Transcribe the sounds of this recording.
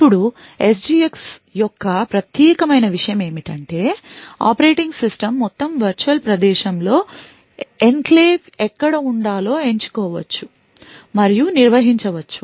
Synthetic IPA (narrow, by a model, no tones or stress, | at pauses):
pːuɽu | esd͡ʒiːeksjɔkːɐpɾɐt̪jɛːkɐmɐjnɐʋiʂɐjɐme̞ːmiʈɐɳʈe̞ːa̰ːpɐɾe̞ːʈiŋɡsisʈɐmːɔt̪ːɐmʋɐɾt͡ʃuɐlpɾɐd̪ɛːʃɐmlo̞ː | enkleːʋɛkːɐɽɐuɳɖaːlo̞ːe̞ɲt͡ʃu̥kɔːʋɐ̰t͡ʃːu | mɐɾijuniɾʋɐɦiɲt͡ʃɐʋɐt͡ʃːu